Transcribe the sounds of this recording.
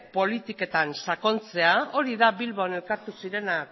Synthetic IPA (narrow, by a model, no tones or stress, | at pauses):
po̞lit̪ike̞t̪ansako̞nt͡se̞ao̞ɾiðaβilβoane̞lkaɾt̪usiɾe̞na